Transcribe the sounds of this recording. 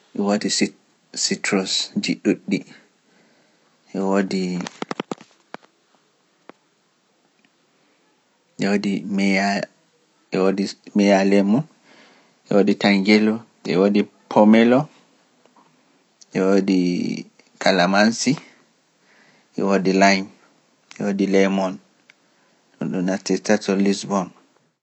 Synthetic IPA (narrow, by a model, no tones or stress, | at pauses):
ʔɛwodi | sitɾɔsd͡ʒiɗuɗːi | ʔɛwodi | ʔɛwodimɛa | ɛwodimɛjalɛmu | ʔɛ̰woditaŋɡɛlɔʔɛ̰wodi | pʰɔmɛlɔ | ʔɛwodi | kʰalamansi | ʔɛ̰wodilaɲ | ɛ̰wodilɛmɔn | ɗṵnɗumnatːɛtatɔlisbɔn